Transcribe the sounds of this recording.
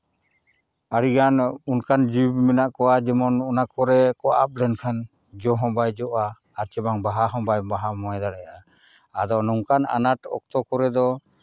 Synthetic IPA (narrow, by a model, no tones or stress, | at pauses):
aɽiɡanunkand͡ʒibmɛnaʔkɔwad͡ʒɛmɔnɔnakɔɾɛkɔa̰p̚lɛnkʰan | d͡ʒɔɦɔ̃bajd͡ʒɔʔaː | ɾt͡ʃɛbaŋbaɦaɦɔ̃bajbaɦamɔɛd̪aɽɛja | ad̪ɔnɔŋkana̰naʈɔ̰k̚t̪ɔkɔɾɛd̪ɔ